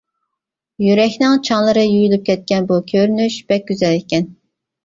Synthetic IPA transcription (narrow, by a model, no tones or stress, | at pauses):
jyɾɛkʲnɪŋt͡ʃʰɑŋlˠɨɾɨjyjylyp̚kʲʰɛt̪̚kʲɛnbukʲʰøɾynyʃb̥ɛk̚ʲɡ̥ʲyzɛlɪkʲɛn